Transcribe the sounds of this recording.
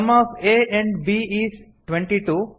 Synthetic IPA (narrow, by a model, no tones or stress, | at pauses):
mɔːfeːɛ̃ɳɖbiiːsʈʋẽɳʈiʈuː